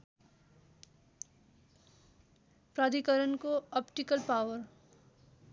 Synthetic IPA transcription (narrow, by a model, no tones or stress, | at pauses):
pɾad̪ikəɾənkoɔpʈikəlpawəɾ